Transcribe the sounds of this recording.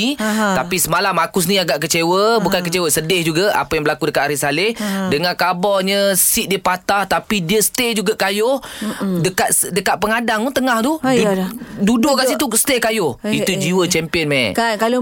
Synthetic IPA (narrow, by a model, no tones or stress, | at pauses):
it̪apisəmalamakus̬niaɡaʔkət͡ʃewəbukankət͡ʃewəsədɪhd͡ʒuɡaʔa̰pəjaŋbəlakudəkat̪aɾisalɪhdəŋãnkabɔɲəsiʔ̚diəpat̪aht̪apidiəst̪ed͡ʒuɡaʔkajʊhdəkat̪dəkat̪ʔ̪̚pəŋadaŋunt̪əŋaht̪u | dudʊʔkasit̪usə̥t̪ekajʊhiud͡ʒiwət͡ʃɛmpiənma̰kakalo